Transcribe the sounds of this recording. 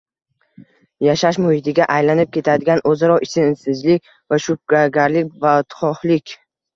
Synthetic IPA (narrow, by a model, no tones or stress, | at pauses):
jaʃaʃmʊhɪd̪ɪɡʲaʔajlanɪp̚kʲʰe̞t̪ʰad̪ɪɡʲanʔɵzaɾɒɪsɪnsɪzlɪkʲ | vaʃʊp̚ɡaɡʲaɾlɪk̚ʲvat̪χɒhlɪkʲ